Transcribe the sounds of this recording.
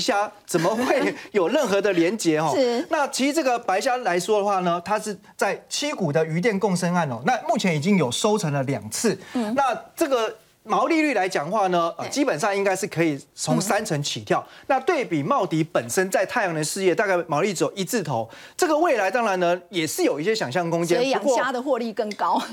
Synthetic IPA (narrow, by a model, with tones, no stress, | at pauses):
ɕja˥t͡sə˨˩mə˦xwe˥˩ɪjo˨˩ʊɻə˥˩nxɤ˧˦d̪ə˨ljɛ˧˥nt͡ɕjɛ˧˥xɔ˥˨na˥˨t͡ɕʰi˧˥˧t͡sɤ˥˩ɡə˨˩pa˧˥ɪɕja˥la˧˦ɪʂwɔ˥d̪ə˨xwa˥˩nə˩t̪ʰa˥ʂɻ̩˥˧ | t͡sa˥˩ɪt͡ɕʰi˥ku˨˩d̪ə˦y˧˥t̪̬jɛ˥˧nkʊ˥˨ŋʂə˥na˥˩nɔ̰˨˩na˥˧mu˥˩t͡ɕʰjɛ˧˦ni˨˩t͡ɕi˦ŋjo˨˩ʊso˥ʊt͡sʰə˧˥ŋlə˨ljɑ̰˨˩ŋt͡s̩ʰ˥˩na˥˧t͡sɤ˥˩ɡə˨˩ | mɑ˧˦ʊli˥˧ly˥˩la˧˦ɪt͡ɕjɑ˨˩ŋxwa˥˩nə˩ə˨˧t͡ɕi˦˥pə˨˩nʂɑ˥˧ŋi˦˥ŋka˥ɪʂɻ̩˥˩kʰɤ˧˥i˨˩t͡sʰo˧˥ŋsa˥nt͡sʰə˧˥ŋt͡ɕʰi˨˩t̪ʰjɑ˥˩ʊna˥˧t̪we˥˩ɪpi˨˩mɑ˥˩ʊt̪i˨˥˦pə˨˩nʂə˦˥nt͡sa˥˧ɪt̪ʰa˥˩ɪjɑ˧˥ŋə˨˧˦nʂɻ̩˥˧jɛ˥˧t̪a˥˧ka˥˩ɪmɑ˨˧˦ʊli˥˩t͡s̩˥jo˨˩i˧˥t͡sʰɹ̩˥˩t̪ʰo˨˦ʊt͡sɤ˥˩ɡə˩we˥˩ɪla˧˦ɪt̪ɑ˥ŋɻa˧˦nnə˧jɛ˨˩ʂɻ̩˥˩jo˨˩i˥˩ɕ̬jɛ˥ɕjɑ˨˩ŋɕ̬jɑ˥˩ŋkʊ˥ŋt͡ɕjɛ˥u˧kwɔ˥˨jd̪ə˨xwɔ˥˧li˥˧kə˥˩ŋkɑ˦ʊ